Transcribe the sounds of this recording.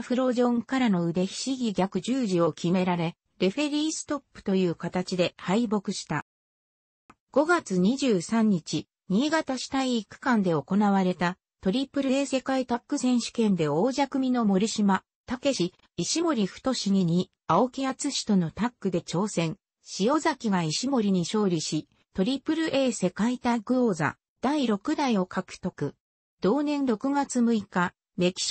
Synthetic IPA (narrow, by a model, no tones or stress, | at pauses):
ɸɯ̟ɾo̞ʑõ̞ŋkaɾano̞ɯ̟d̪e̞çi̥ɕiɡʲiɡʲakɯ̟ʑɨːʑio̞kʲʰime̞ɾaɾe̞ | ɾe̞ɸe̞ɾʲiːsɨ̥t̪o̞pːɯ̟̥t̪o̞jɯ̟ːkat̪at͡ɕid̪e̞haibo̞kɯ̟ɕi̥t̪a | ɡ̥o̞ɡat͡sɨɲ̟iʑɨːsãɲ̟ːit͡ɕi | ɲ̟iːɡat̪aɕi̥t̪aiːkːɯ̥kãnd̪e̞o̞ko̞naβ̞aɾe̞t̪a | t̪o̞ɾʲipːɯ̟ɾɯese̞kaet̪akːɯ̟sẽ̞ɰ̃ɕi̥kẽ̞nd̪e̞o̞ːʑakɯ̟mʲino̞mo̞ɾʲiɕima | t̪ake̞ɕi | iɕimo̞ɾʲiɸɯ̟̥t̪o̞ɕiɲiɲ̟i | ao̞kʲijat͡sɨɕi̥t̪o̞no̞t̪akːɯ̟d̪e̞t͡ɕo̞ːsẽ̞ŋ | ɕijo̞zakʲiɡaiɕimo̞ɾʲiɲ̟iɕo̞ːɾʲiɕi | t̪o̞ɾʲipɯ̟ɾɯ̟ʔe̞ːse̞kait̪aiɡɯ̟ɾo̞ːza̰ | d̪̥aiɾo̞kɯ̟d̪aio̞kʰakɯ̟̥t̪o̞kɯ̟ | d̪̥o̞ːnẽ̞nɾo̞kɯ̟ɡat͡sɨmɯ̟ika | me̞kʲi̥